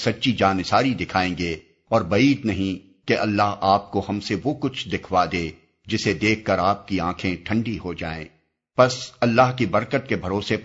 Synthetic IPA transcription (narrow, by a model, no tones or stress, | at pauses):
sɐtːʃid͡ʒaːnɪsaːɾid̪ɪkʰaːẽːɡeː | ɔːɾbɐiːd̪nɐɦĩ | keʔɐlːaɦaːp̚koɦɐmseʋokʊt͡ʃʰd̪ɪkʰʋad̪eː | d͡ʒɪsed̪eːkʰːɐɾaːp̚kiãːkʰẽʈʰɐ̃ɳɖiɦod͡ʒa̰ːḛ̃ː | pɐsɐlːaːɦkibɐɾkət̪kebʱɐɾoːse